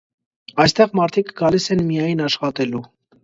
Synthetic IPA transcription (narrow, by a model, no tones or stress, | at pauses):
ɑjst̪ɛʁmɑɾt̪ʰikɡɑlisɛnmijɑjnɑʃχɑt̪ɛlu